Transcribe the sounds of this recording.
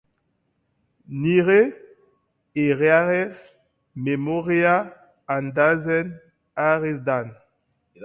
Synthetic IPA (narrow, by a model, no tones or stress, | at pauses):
niʁe | eʁeaʁɛs | memoʁea | and̪azɛn | aʁesd̪an